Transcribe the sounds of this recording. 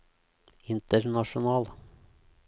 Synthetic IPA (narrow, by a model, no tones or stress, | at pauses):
ɪnt̪əɾnɑʂʊnɑːl